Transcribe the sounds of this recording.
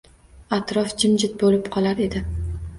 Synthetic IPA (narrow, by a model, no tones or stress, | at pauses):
at̪ɾɒfd͡ʒɪmd͡ʒɪt̪̚bolɪpqʰɒlˠaɾe̞d̪ɪ